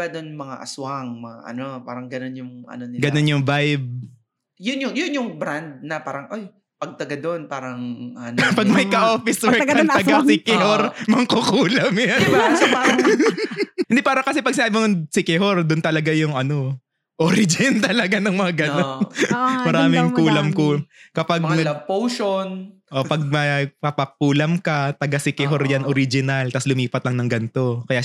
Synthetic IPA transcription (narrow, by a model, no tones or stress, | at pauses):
ad̪onmɐŋa̰ʔɐswaŋmɐŋa̰ʔɐ̰nopa̰ːɾɐŋɡɐnonjʊŋʔɐ̰nonɪɡɐnonjʊŋvajb̚ | jʊnjʊŋjʊnjʊŋbɾand̪̚nɐpaːɾɐŋʔoj | pɐɡ̚t̪ɐɡad̪onpaːɾɐŋɐnpɐɡ̚mɐjkɐʔoːfɪswɛɹɐɐnɐɡasɪkɪɦoɾmɐŋkokuːlɐmjansɐa | hɪnd̪ipaːɾɐkɐsɛpɐɡ̚sɪnaːbɪʊsɪkɛhoɾd̪ʊnt̪ɐlɐɡajʊŋɐno | ʔoɾɪd͡ʒɪnt̪ɐlɐɡanɐŋmɐŋaɡɐnonmɐɾaːmɪŋkuːlɐmkukɐpaɡ̚mɐpowʃonʔoʔpɐɡ̚mɐpɐpɐk̚uːlɐmkɐt̪ɐɡasɪkɛɦoɾjanoɾɪd͡ʒɪnalt̪ɐslʊmiːpɐt̪̚lɐŋnɐŋɡɐnt̪o̞kɐjaː